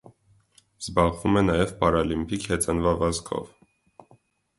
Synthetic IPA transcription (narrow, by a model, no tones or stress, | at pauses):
z̥bɑʁvumɛnɑjɛvpɑɾɑlimpʰikhɛt͡sɑnvɑvɑzkʰɔ̰v